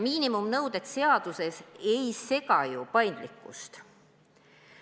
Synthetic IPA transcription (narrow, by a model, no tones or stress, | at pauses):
miːnimumnɤwd̪̥e̞t̪se̞ɑd̪̥use̞se̞jse̞kɑjupɑjnd̪̥likːˑṵst̪